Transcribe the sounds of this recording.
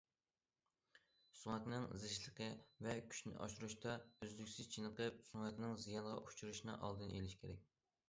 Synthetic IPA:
suŋɛt̪nɨŋzɨʃlˠəqʰəvɛkʲʰy̥ʃnɪ̰ʔɑ̰ʃuɾuʃt̪ʰɑøzlykʲsyz̥t͡ʃʰinəqəp̚suŋɛt̪nɪŋzijɑnʁɑʔut͡ʃʰuɾuʃinɨ̰ʔɑ̰lˠd̪ɨnʔelɪʃkʲʰeɾɛk̚ʲ

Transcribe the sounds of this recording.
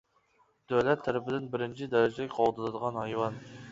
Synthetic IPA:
d̪̥øwlɛt̪ʰːæɾɪpɪd̪ɪnbɪɾɪnt͡ʃʰɪd̪ɛɾɪd͡ʒɪlɪkʲqʰɑlˠd̪ɨnɨd̪əʁɑnhɑjwɑn

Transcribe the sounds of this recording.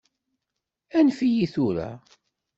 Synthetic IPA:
ænfijiθʊɾæ̰

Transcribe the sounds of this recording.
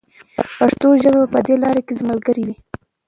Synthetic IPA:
paʂt̪oʒəbabapəd̪elɑɾekezmalɡəɾiwi

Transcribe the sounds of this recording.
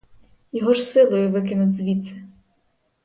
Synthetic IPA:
jɔɦɔʃsɪlˠɔjʊʋɪk̬ɪnʊtʲzʋʲisɛ

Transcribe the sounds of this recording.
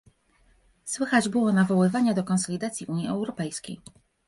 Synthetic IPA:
swɘxad͡ʑbɘwɔnavɔwɘvaɲad̪ɔkɔnsɔlʲid̪at̪sʲjiʔuɲiɛwɾɔpɛjskʲḛj

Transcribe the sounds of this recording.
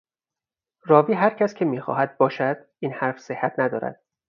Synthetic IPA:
rɒːviːɦæɾcʰæscʲʰemiːxɒ̰ːɦæd̪̚bɒːʃæd̪̥̚ʔiːnhæɾfse̞hːæt̪ʰnæd̪ɒ̰ːɾæ̰d̪̥̚

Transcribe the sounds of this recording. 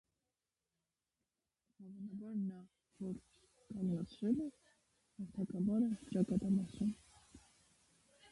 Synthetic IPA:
ɑvɑnɑbɑɾnɑ | vɔɾ | kɑnlɑt͡sʰɾɛlɛ | hɑɾt̪ʰɑkɑvɑɾət͡ʃɑkɑt̪ɑmɑsum

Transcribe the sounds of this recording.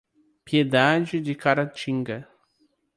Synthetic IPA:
pjed̪ad͡ʒɪd̪ɪkaɾat͡ʃĩŋɡɐ

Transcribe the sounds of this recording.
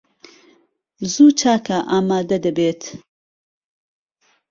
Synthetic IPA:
zuːt͡ʃʰaːkʰɐʔaːmaːd̪ɐd̪ɐbeːt̪ʰ

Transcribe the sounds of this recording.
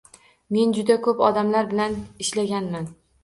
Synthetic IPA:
me̞nd͡ʒʊd̪akʰɵpɒd̪amlaɾbɪlanɪʃlaɡʲanman

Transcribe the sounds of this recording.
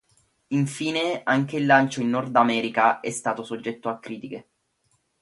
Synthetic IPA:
iɱfiːneaŋk̟eilːant͡ʃoinːɔrd̪amɛːɾikaɛst̪aːt̪osod͡ʒːɛt̪ːoakːɾiːt̪ike

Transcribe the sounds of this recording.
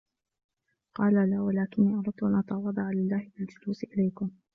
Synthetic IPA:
qɑːlalaːwalaːkɪnːiːʔɑɾˤɑd̪̚t̪ʊʔanʔɑt̪ɑwɑðˤɑʕalɪlːaːhɪbɪld͡ʒʊluːsɪʔɪlajkʊm

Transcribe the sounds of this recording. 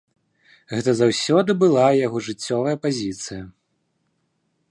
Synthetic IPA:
ɣɛt̪ɐzawsʲɔd̪ɨbɨlˠajaɣɔʐɨt͡sʲːɔvɐjɐpazʲit̪sɨjɐ

